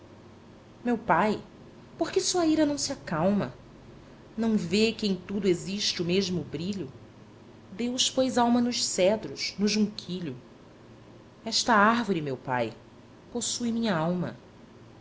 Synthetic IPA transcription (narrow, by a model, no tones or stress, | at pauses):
mewpaj | poɾkɪsuɐiɾɐnɐ̃w̃sɪakawmɐ̰ | nɐ̃w̃vekɪẽj̃t̪ud̪ʊeziʃt͡ʃɪʊmeʒmʊbɾiʎʊ | d̪ewspojzawmɐnʊʃsɛd̪ɾʊʃnʊʒũkʰiʎʊ | ɛʃt̪ɐahvoɾimewpa̰j | posujmĩɲɐawmɐ̰